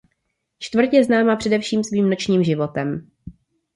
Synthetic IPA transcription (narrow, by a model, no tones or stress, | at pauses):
t͡ʃt̪vr̩c̪jɛznaːmapr̥ɛdɛfʃiːmsviːmno̞t͡ʃɲiːmʒɪvo̞t̪ɛm